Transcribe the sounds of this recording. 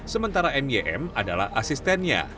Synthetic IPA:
səmənt̪aɾaɛmjeʔɛ̰madala̰hasist̪ɛnɲa̰

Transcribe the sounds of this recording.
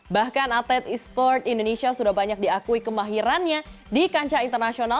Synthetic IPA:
bahkanat̪ɛt̪ispɔrt̪indonesiasudahbaɲak̚diakuikəmaɦiɾanɲadikaɲt͡ʃaint̪ərnasiona

